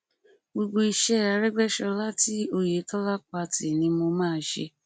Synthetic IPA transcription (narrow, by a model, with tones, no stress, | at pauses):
ɡ͡bo˧ɡ͡bo˧i˧ʃɛ˦˨a˧ɾɛ˦ɡ͡bɛ˦ʃɔ˧la˦ti˦o˧˨je˨˦tɔ˦la˦k͡pa˧ti˨nĩ˧mo˧mãː˦˧˦ʃḛ˧